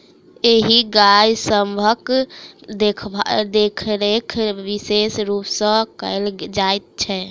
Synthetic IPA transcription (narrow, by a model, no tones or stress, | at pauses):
eɦiɡajsəmbʱək | d̪ekʰd̪ekʰɾekʰʋisesɾupsə̃kəɪld͡ʒajt̪̚t͡ʃʰɛ